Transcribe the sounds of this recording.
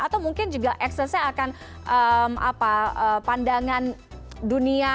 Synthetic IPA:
at̪awmuŋkɪnd͡ʒuɡaʔɛksəsaakan | ʔəma̰paəpandaŋan | dunia

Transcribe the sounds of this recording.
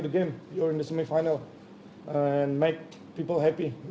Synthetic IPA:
tuɡẽmjɔɹɪ̃ndəsemĩfaɪnəl | ɛ̃nmek̚ | piːpəlɦɛpi

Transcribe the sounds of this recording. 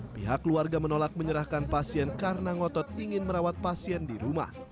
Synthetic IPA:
piɦakluarɡamənolak̚məɲəɾahkanpasiɛnkarnaŋɔt̪ɔt̪̚iŋɪnməɾawat̪̚pasiɛndiɾuma̰h

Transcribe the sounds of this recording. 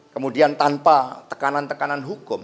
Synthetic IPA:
kəmudiant̪anpat̪ə̥kanant̪əkananɦukʊm

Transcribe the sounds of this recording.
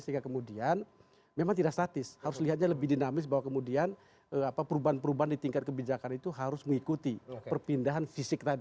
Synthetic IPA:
səɦiŋɡakəmudian | memaŋt̪idaʔkst̪at̪ɪshaɾʊsliɦat̪̚ɲaləbɪhdinamɪs̬baɦwakəmudian | əapapəɾubaɦanpəɾubaɦandit̪iŋkat̪̚kəbid͡ʒakanit̪uɦaɾʊsməŋikut̪ikpərpindaɦanfisɪk̚t̪adi

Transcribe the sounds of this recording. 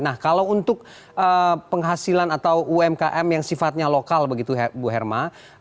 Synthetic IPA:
nahkalawunt̪ʊk̚ | ʔəpəŋɦasilanat̪awuɛmkaʔɛmjaŋsifat̪̚ɲalokalbəɡit̪uɦbuɦɛrma

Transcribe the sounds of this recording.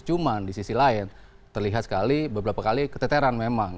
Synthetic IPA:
t͡ʃumandisisilaɪn | t̪ərliɦat̪̚sə̥kalibəbəɾapakalikət̪ɛt̪eɾanmemaŋ

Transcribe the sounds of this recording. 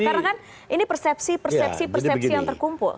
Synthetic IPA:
kaɾnakan | ʔinipərsɛp̚sipərsɛsipərsɛijaŋt̪ərkumpʊ̰l

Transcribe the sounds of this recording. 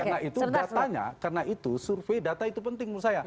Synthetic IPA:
nait̪udat̪aɲa̰karənaʔit̪usurfejdat̪ait̪upənt̪ɪŋmusaja

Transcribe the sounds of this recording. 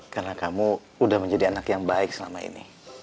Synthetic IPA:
karənakamu | udahməɲd͡ʒadianakjaŋbaɪk̚səlamaḭnḭ

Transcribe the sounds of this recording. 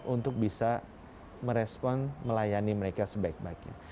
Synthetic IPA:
unt̪ʊk̚bisa | məɾɛspɔnməlajaniməɾekasəbaɪk̚baɡɲa̰

